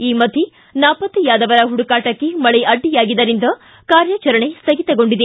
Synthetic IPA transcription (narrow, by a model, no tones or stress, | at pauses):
iːmɐd̪ʱi | naːpɐt̪ːijaːd̪ɐʋɐɾɐɦuɽukaːʈɐkːemɐɭeʔɐɖːijaːɡid̪ɐɾind̪ɐ | kaːɾjɐt͡ʃɐɾɐɳesɐɡit̪ɐɡo̞ɳɖid̪e